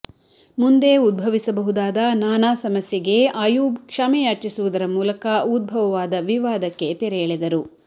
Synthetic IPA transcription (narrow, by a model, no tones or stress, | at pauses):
mund̪e̞ud̪̚bʱɐʋisɐbɐɦud̪aːd̪ɐnaːnaːsɐmɐsjɐɡe̞aːjuːbkʂaːmɛjaːt͡ʃisuʋud̪ɐɾɐmuːlɐkɐud̪̚bʱɐʋɐʋaːd̪ɐʋiʋaːd̪ɐkːe̞t̪ɛɾɛjɐɭid̪ɐɾu